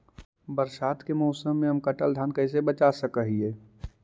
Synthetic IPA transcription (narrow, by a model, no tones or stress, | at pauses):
bəɾsaːt̪kemɔʊsəmːẽɦəmkɐʈəld̪ʱaːnkɐɪs̬ebət͡ʃasəkəɦieː